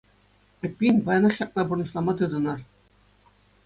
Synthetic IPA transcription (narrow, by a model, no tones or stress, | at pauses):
ɘ̆pʲːinʲʋɑjnɤ̆χɕɑp̚nɑburnɤ̆ɕlˠɑmɑt̪ɯd̪ɤ̆nɑr